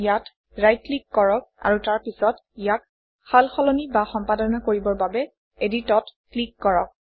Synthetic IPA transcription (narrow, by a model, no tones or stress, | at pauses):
jat | ɹajt̚klikːɔɹɔk̚a̰ɹutaɹpisɔtijak | xalxɔlɔnibaxɔmpadɔnakoɹibɔɹbabɛ | editɔtklikːɔɹɔ̰k̚